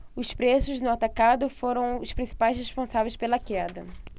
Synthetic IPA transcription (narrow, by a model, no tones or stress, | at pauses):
ʊspɾesʊznʊat̪akad̪ʊfoɾɐ̃w̃ʊspɾĩsi̥pajsheʃpõsavejspelɐkɛd̪ɐ